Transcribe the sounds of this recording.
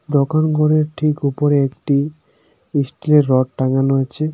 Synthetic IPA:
d̪okanɡʱoɾeɾʈʰikupoɾeekʈi | isʈileɾːɔʈʈaŋanoet͡ɕʰe

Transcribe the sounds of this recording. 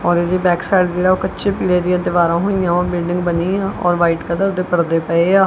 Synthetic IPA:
ɔːɾed͡ʒ̪eːbɛːksaːɖd͡ʒeːɽaːoːkətːʃʰeːpiːɽeːd̪ɪjãːd̪ɪʋaːɾãːɦoːijãːʋãːbɪlɖɪ̃ŋɡbəniːãːɔ̰ːɾʋaːiːʈkəd̪əɾd̪eːpəɽd̪eːpəeaː

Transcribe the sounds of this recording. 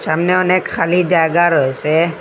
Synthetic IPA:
samneɔnekʰːalid͡ʒaɡaɾəɦese

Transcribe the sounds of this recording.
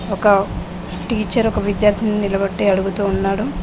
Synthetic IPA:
ɔkɐ | ʈiːt͡ʃːɐɾɔkɐʋid̪jaːɾt̪ʰininilɐbɐʈːeːɐɽuɡut̪uːnːaːɽu

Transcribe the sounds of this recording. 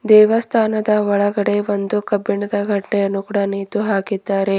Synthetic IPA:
d̪ɛːʋɐst̪ʰaːnɐd̪ɐʋɔɭɐɡɐɽe̞ʋond̪ukɐbːiɳɐd̪ɐɡʱɐʈːɛjɐnːukuːɽaniːt̪uɦaːkid̪ːaːɾe̞

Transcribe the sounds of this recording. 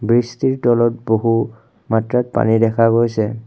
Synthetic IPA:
bɹistiɹtɔlɔt̚boɦu | matɹat̚pa̰nidɛkʰaɡojsɛ

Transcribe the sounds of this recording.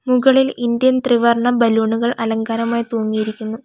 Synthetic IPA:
muɣɐɭilind̪jɐnt̪riʋɐrɳɐbɐluːɳuɣɐɭɐlɐŋɡaːɾɐmaːjt̪oːŋːijiɾikʲːunːu

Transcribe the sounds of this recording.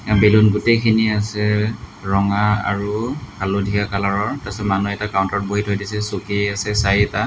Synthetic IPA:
belunɡutekʰiniasɛɹɔŋaa̰ɹukʰalodʱiakalaɹɔɹtasɛmanuɛtakaʊntɔt̚boɦitʰojdisɛsokeasɛsajɛta

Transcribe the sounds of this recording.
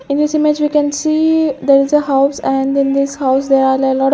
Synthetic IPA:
ɪ̃nd̪isɪmed͡ʒʋiːkɛ̃nsiːd̪eɾɪzəhaʊsɛ̃ɳɖɪ̃nd̪ɪshaʊsd̪eɾalelɔːʈ

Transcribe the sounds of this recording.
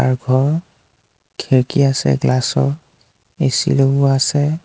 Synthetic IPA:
aɹɡʱɔɹ | kʰeɹkiasɛ̰ɡlasɔɹ | esḭlobʊasɛ

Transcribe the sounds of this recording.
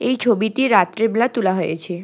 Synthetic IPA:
ejt͡ɕʰobiʈiɾat̪ɾeblat̪ulaɦojet͡ɕʰe

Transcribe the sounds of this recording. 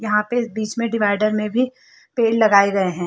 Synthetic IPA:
jɐɦãpebiːt͡ʃmẽɖɪʋaːɪɖəɾmẽbʱi | peːllːɐɡaːeɡɐeɦɛ̃ː

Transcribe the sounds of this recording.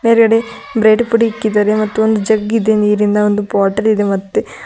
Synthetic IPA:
meːɾɡɐɽe | bɾeːɖpuɽiikːid̪ɐːɾemɐt̪ːuond̪ud͡ʒɐɡid̪eniːɾind̪ɐond̪upoːʈɐɾid̪emɐt̪ːe

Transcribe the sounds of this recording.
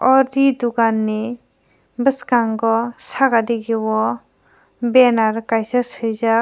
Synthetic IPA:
ɔɾid̪uɡanːe | bəskaŋɡɔsaɡadiɡewɔ | bɛnaɾkajsashɯjza

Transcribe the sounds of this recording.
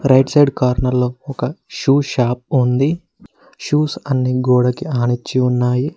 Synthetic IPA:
ɾɐjʈsɐjɖkaːɾnɐlːoːɔkɐʃuːʃaːp̚und̪i | ʃuːsɐnːiɡoːɽɐkiaːnit͡ʃːiunːaːji

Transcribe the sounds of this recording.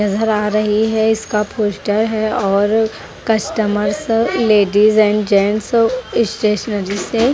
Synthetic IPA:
ɐzəɾaːɾɐɦiɦɛɪskapʰoːsʈəɾɦɛɔːɾ | kɐsʈəməɾsleːɖizɛ̃ːɳɖd͡ʒɛːnsɪsʈeːʃənəɾise

